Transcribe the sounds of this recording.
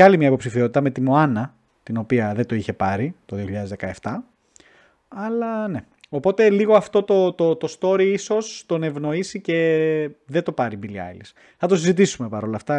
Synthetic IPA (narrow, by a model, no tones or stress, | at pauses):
ɐlimɲɐepo̞psifiot̪it̪ɐme̞t̪imo̞ɐnɐ | t̪ino̞piɐðed̪o̞içe̞pɐɾit̪oðioçiʎɐðezðekɐe̞ft̪ɐ | ɐlɐne̞ | o̞po̞t̪e̞liɣo̞ɐft̪o̞t̪o̞t̪ot̪o̞st̪o̞ɾiiso̞st̪o̞ne̞vno̞isice̞ðet̪o̞pɐɾibiliɐ̰elis | θɐt̪o̞sizit̪isume̞pɐɾo̞lɐft̪ɐ